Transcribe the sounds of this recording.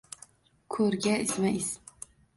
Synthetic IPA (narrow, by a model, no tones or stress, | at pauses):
kʰɵɾɡʲaɪsmaɪs